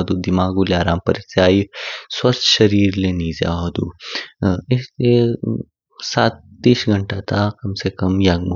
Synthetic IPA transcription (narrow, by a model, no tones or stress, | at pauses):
d̪ud̪imaːɡuleaːɾaːmpəɾit̪aːiswɐst̪ʰʃɐɾiːɾleniːza̰ːɦɐd̪ṵː | isle | saːt̪ːiːʃɡʱɐɳʈat̪ʰakɐmsekɐmjaɡm